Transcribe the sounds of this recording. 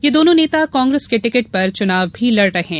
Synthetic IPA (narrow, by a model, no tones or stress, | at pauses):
jeːd̪oːnõneːt̪akɔ̃ːŋɡɾeskeʈɪkəʈ̚pɐɾt͡ʃʊnaːʋbʱilɐɾɾɐɦɛ̃ː